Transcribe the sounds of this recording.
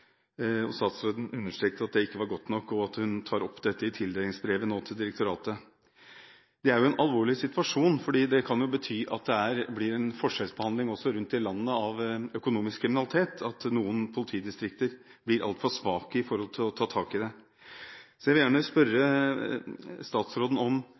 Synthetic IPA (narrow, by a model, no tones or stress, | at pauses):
ɔ̰sɑːt̪sɾɔʏd̪n̩ʉnːəʂʈɾeːk̚t̪əɾɑt̪̚d̪ɛɪkːəʋɑɾɡɔt̪nɔkːɔɑt̪hʉnt̪ʰɑːɾɔpːd̪ɛt̪ːəɪt̪ʰɪld̪eːlɪŋsbɾeːʋənoːt̪ʰɪld̪ɪɾəkt̪ʊɾɑːt̪ə | d̪ɛæɾjʊɛnʔɑlʋoːɭɪsɪt̪ʉʋɑʂuːnfɔɖiːd̪ɛkʰɑnjʊbət̪ʰyːʔɑ̰t̪̚d̪ɛæɾblɪɾɛnfɔʂɛlsbəhɑnd̪lɪŋɔsːɔɾʉnt̪̚ːɪlɑnːəɑʋœkʊnuːmɪskʰɾɪmɪnɑlɪt̪ʰeːt̪ʰɑt̪nuːənpʰʊlɪt̪ʰiːd̪ɪst̪ɾɪk̚t̪əɾ | b̥lɪɾʔɑ̰lt̪fɑlsʋɑːkəɪfɔɾhɔlt̪ʰɪlɔt̪ʰɑːt̪ʰɑːkɪd̪ɛ | sɔjæʋɪljæːɳəspœɾːə | st̪ɑːt̪sɾoːd̪n̩ɔm